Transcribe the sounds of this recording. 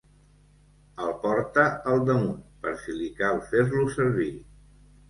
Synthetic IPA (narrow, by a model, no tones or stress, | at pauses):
əlˠpɔɾt̪əəlˠd̪əmunpəɾsilikalˠfeɾlusəɾβi